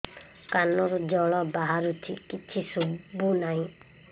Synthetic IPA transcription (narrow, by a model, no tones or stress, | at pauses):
kanɔɾud͡ʒɔɭɔbaɦaɾut̪ʰikit͡ʃʰisubunaɦĩ